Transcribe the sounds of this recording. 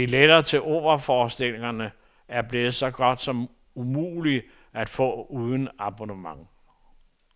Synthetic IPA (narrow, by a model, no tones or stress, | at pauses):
iled̥ɐt͡sʰe̝lʔo̰ːɐfɒːsd̥e̝l̰e̝ŋɐnə | æɐb̥le̝ːð̞̩ˠsɒ̽ɡ̥ɒ̽d̥sɒ̽m | umṵːli | ʔæd̥fɔ̰̽ːuːð̞ˠn̩ɑ̈b̥o̝nəmɑ̈ŋ